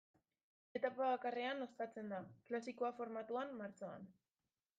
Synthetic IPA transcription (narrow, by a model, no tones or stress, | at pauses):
e̞t̪apaβakare̞ano̞st̪at͡se̞nd̪aklasikoafo̞ɾmat̪uamːaɾt͡soa̰n